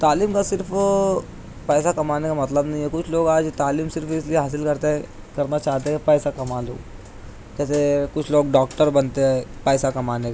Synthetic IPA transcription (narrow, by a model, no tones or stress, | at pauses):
t̪aːliːmkasɪɾpʰ | pɛːs̬akɐmaːnekamɐt̪ləbnɐɦĩɦɛkʊt͡ʃʰloːɡaːd͡ʒt̪aːliːmsɪɾfɪslieɦaːs̬ɪlkɐɾt̪eɦ | kɐɾnat͡ʃaːɦt̪eɦɛpɛːsakɐmaːlo̰ːɡ | d͡ʒɛːsekʊt͡ʃʰloːɡɖɔːkʈəɾbɐnt̪eɦɛpɛːsakɐmaːneka